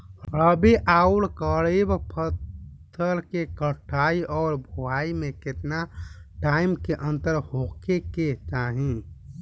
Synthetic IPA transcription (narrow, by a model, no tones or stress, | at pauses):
ɾəbeʔaːulkəɽebpʰət̪ʰː | əlkekəʈʰaːiʔɔːɾbʱoaːimẽkɪt̪naʈaːɪmkeʔə̃nt̪əɾhokeket͡ʃaːɦĩ